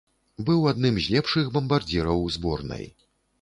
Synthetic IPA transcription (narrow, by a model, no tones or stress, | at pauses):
bɨwad̪nɨmzʲlʲɛpʂɨxbɐmbard͡zʲɛɾɐwzbɔrnɐ̰j